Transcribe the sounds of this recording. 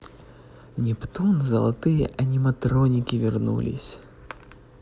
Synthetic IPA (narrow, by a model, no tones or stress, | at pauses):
nʲipt̪unzɐlˠat̪ɨjɛ̰ʔɐnʲimɐt̪ɾɔnʲikʲivʲɪrnṵlʲḭsʲ